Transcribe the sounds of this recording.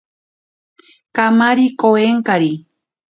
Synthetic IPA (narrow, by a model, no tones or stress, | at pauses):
kamaɾikoeŋkaɾi